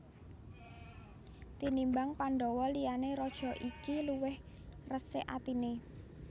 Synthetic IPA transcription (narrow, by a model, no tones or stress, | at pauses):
t̪inimbaŋpaɳɖɔwɔlijaneɾɔd̥ʒ̥ɔ̤ʔikiluwɪh | rəseʔat̪ine